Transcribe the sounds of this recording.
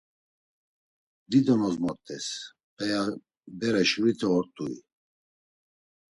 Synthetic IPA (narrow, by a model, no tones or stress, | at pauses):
d̪id̪ɔnɔzmɔɾt̪ʼɛs | pʼɛja | bɛɾɛʃɾit̪ʰɛɔɾt̪ʼuḭ